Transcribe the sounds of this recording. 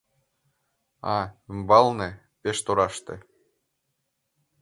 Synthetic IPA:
ɑymbɑlne | peʃt̪oɾɑʃt̪ḛ

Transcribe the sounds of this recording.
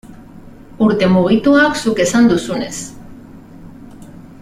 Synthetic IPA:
uɾt̪e̞muɣ̞it̪uaksuke̞sand̪usune̞s

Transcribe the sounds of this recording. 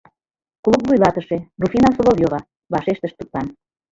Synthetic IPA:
klˠukvujlɑt̪əʃerufinɑsolovʲjoβɑ | βɑʃeʃt̪əʃt̪ut̪lɑn

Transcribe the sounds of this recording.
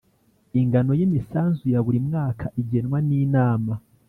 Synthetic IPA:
iŋɡano̞jimisaːnzujaβuɾimŋaːkʰaʔiɟe̞nwaniːnaːma

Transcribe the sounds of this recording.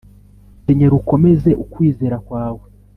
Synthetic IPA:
teɲeɾuko̞me̞ze̞ʔukwiːze̞ːɾakwaːwe̞

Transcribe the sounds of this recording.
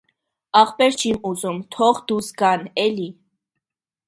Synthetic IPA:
ɑχpɛɾt͡ʃʰimuzumt̪ʰɔχd̪usɡɑnɛli

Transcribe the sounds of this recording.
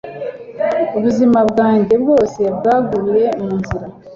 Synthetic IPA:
uβuzimabɡaːɲɟe̞bɡo̞ːse̞bɡaːɡuɾuje̞muːnziɾa

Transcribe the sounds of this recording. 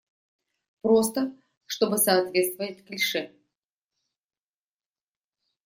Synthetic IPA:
pɾost̪ə | ʂt̪obɨsɐːt̪vʲet̪st̪vəjɪt̪ʲklʲʂɛ

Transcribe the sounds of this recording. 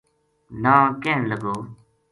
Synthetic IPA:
nãːkẽːnləɡoː

